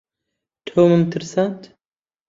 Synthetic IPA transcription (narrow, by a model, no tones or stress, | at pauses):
t̪ʰoːmɨmt̪ʰɨɾsant̪